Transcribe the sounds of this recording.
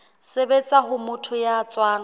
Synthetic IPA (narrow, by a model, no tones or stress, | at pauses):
sebet͡sʼaɦʊmʊtʰʊjaːt͡sʼwaːŋ